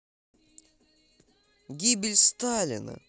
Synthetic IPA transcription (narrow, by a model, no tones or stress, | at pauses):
ɡʲibɪlʲst̪alʲḭnə̰